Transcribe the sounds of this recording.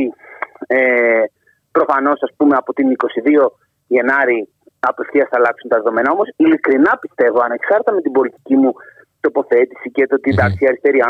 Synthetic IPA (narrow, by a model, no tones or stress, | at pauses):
i | e | pɾo̞fɐno̞sɐspume̞ɐpo̞t̪iniko̞siðio̞ | ʝe̞nɐɾi | ɐpe̞fθiɐsθɐlɐksunt̪ɐðe̞ðo̞me̞nɐo̞mo̞silikɾinɐpist̪e̞vo̞ɐnɐeksxɐɾt̪ɐme̞t̪ibo̞lit̪i̥cimu | t̪o̞po̞θe̞t̪isicet̪ot̪id̪ɐksiɐɾist̪e̞ɾiɐ